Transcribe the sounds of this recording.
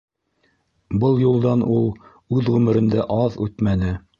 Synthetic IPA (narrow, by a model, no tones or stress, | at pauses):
bɤlˠjulˠd̪ɑnulˠ | ʉðʁʉmɘ̆ɾɘ̆nd̪æʔɑðʉt̪mænɘ